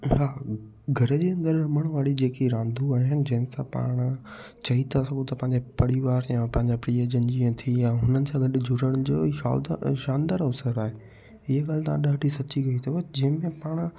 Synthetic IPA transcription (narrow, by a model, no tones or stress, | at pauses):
ɦaː | ɡʱɐɾd͡ʑeːɐ̃nd̪əɾɐməɽ̃ʋaːɽid͡ʑeːkiɾãːnd̪ʱuaːɦɪnɪ̆d͡ʑɐɦɪ̃nɪsãpa̰ːɽ̃ | t͡ɕɐit̪ʰasɐɡot̪ɐpɐ̃ɦɪ̃ɲd͡ʑepɐɽiʋaːɾjãpɐ̃ɦɪ̃ɲd͡ʑapɾiːəd͡ʑənd͡ʑĩt̪ʰijaɦʊnənɪ̆sãɡɐɗʊd͡ʑʱʊɾəɽ̃ʊd͡ʑoːa̰d̪ʃãːnd̪əɾsəɾaːɦe | ɪɦəɡaːlɪt̪ɐʋãɗaːɖʱisɐt͡ɕiɡɐit̪ʰɐʋod͡ʑɐ̃ɦɪ̃mẽpaːɽ̃